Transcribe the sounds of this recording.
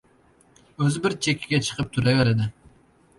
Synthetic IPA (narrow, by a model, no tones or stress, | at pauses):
øzɪbɪɾt͡ʃʰekʲʰːiɡʲɛt͡ʃʰə̥qʰəp̚t̪ʰuɾɛveɾɪd̪ɪ